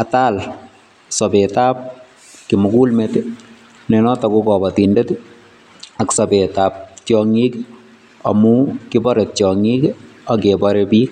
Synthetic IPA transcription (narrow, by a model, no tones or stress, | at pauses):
atal | sɔbetap̚ | kimukulmet | nɛnɔtɔkukɔbɔtindet | aksɔbetaːp̚t͡ʃjɔŋik | ɔ̰mukibɔɾet̚t͡ʃjɔŋikakebɔɾebiːk